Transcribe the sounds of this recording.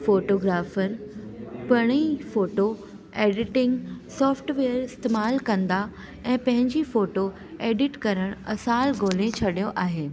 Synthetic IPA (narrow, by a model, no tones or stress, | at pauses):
foːʈoːɡɾaːfəɾ | pɐɽ̃ifoːʈo | eːɖɪʈɪ̃ŋɡsɔːfʈʋeːəɾɪst̪eːmaːlkɐ̃nd̪a | ɛ̃ːpɐ̃ɦɪ̃ɲd͡ʑifoːʈo | eːɖɪʈkɐɾəɽ̃ɐsaːlɡoːlẽt͡ɕʰɐɗijoʔaːɦeː